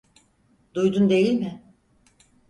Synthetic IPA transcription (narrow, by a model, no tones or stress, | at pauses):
d̪ujd̪und̪e̞jilʲmɪ